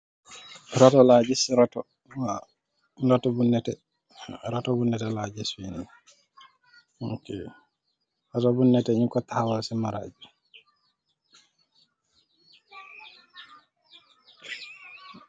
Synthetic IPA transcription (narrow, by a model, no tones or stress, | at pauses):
ɾatɔlad͡ʒisɾatɔ | a | datɔbunːɛtɛ | ɾatɔbunːɛtɛlad͡ʒiswini | hɔkɛ̰ | ɾatɔbunːɛtɛɲikɔtawɔlsɛmaɾa̰d͡ʒi